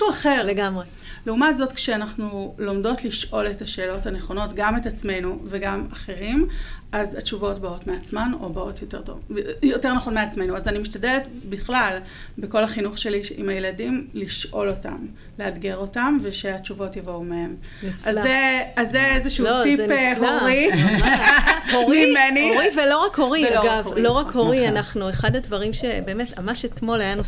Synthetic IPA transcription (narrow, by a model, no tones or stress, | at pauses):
uaχeʁleɡmʁe | leumatzo̞tkʃeanaχnulomdo̞tliʃʔo̞letaʃeːlo̞thaneχo̞no̞tɡametat͡sme̞jnuveɡamaχe̞ʁimazat͡ʃuvo̞tbao̞tmeat͡smano̞̰baotjote̞ʁto̰vjote̞ʁnaχo̞nmeat͡sme̞jnuazanimiʃtadeletbiχlal | beko̞laχinuχʃe̞liʃḭmajeladimliʃʔo̞lo̞ta̰m | leadɡeʁo̞tamveʃe̞at͡ʃuvo̞tjavo̞umehem | nifazaeazːeezeʃulotiepɦoʁi | hoʁmimenioʁivelo̞ʁakho̞ʁiaɡavlo̞ʁakhoʁianaχnueχadadvɐʁimʃebe̞ːmetmamaʃetmo̞lajanu